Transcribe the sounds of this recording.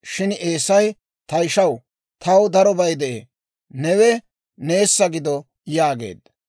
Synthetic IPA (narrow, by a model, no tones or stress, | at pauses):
ʃɪneːsɐj | t̪ɐjʃɐw | t̪ɐwd̪ɐɾɔbɐjd̪ɛʔeː | nɛwɛ | ne̞ːsːɐɡɪd̪ɔ | jaːɡe̞̰ːd̪